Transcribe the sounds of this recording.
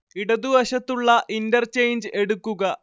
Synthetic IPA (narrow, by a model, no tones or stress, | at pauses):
iɽɐd̪uʋɐɕɐt̪ːuɭːɐʔindɐrt͡ɕejnd͡ʑɨe̞ɽukːuɣɐ